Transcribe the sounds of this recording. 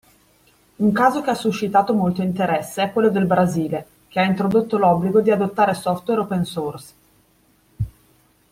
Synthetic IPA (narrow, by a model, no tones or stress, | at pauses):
uŋkaːzok̟easːuʃːit̪aːt̪omolt̪oint̪eɾɛsːeɛkːwelːod̪elbɾaziːle | k̟eaint̪ɾod̪ot̪ːolɔbːliɡod̪iad̪ot̪ːaːɾesɔft̪weɾopensors